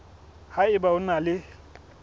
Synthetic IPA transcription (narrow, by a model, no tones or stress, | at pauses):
haɪbaʊnalɪ